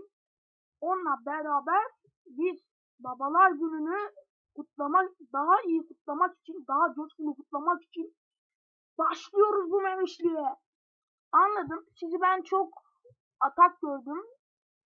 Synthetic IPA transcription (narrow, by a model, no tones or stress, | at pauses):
o̞nlˠabɛɾaːbæɾ | biz | babalˠaɾɟynyny | kʰut̪̚lˠamad̪aɦaijikʰut̪lˠamaki̥t͡ʃʰind̪aɦad͡ʒoskunukʰut̪lˠamaki̥t͡ʃʰin | baʃlˠɯjo̞ɾuzbumeviʃlʲijɛ | anlˠad̪ɯmsizibænt͡ʃʰo̞k | at̪ʰak̚ɟøɾd̪ym